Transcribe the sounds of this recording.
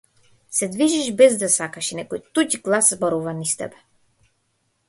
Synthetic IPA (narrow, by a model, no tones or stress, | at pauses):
sɛd̪viʒiʃbɛzd̪asakaʃinɛkɔjt̪ucɡlˠaszbɔɾuvanist̪ɛ̰bɛ̥